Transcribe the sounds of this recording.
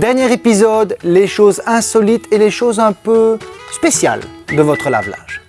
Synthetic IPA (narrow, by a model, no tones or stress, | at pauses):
d̪ɛʁnjɛʁepizɔd̪leʃozɛ̃sɔlit̪ʰeleʃozɛ̃pøspesja̰ld̪əvɔt̪χəla̰vla̰ʒ